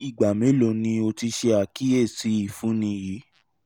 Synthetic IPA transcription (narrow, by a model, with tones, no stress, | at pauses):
i˨ɡ͡ba˨mẽ˨˦lo˨nĩ˧o˧ti˧ʃe˧a˨ki˦e˦˨si˨˦i˦˨fũ˨˦nĩ˧ji˨˦